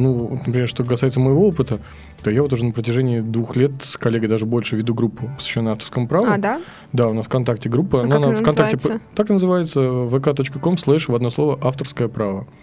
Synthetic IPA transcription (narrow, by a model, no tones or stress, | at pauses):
nuvot̪nəpɾʲɪmʲerʂt̪o̞kɐsajɪt̪səməjɪvo̞opɨt̪ə | t̪ojavot̪̬uʐɛnəpɾətʲɪʐɛnʲɪɪd̪vuxlʲet̪skɐlʲeɡəjd̪aʐɨbo̞lʲʂɨvʲɪd̪uɡɾupːʊpəsvʲɪɕːonːəaft̪ə̥rskəmʊpɾavʊd̪ | d̪aʊnasfkɐnt̪ak̚tʲɪɡɾupːəɐnnafkɐnt̪akt̪ʲɪt̪akɨnəzɨvajɪt̪səvəkat̪o̞t͡ɕkəko̞mslˠɛʂvɐd̪no̞slˠo̞vəʔaft̪ərskəjəpɾavə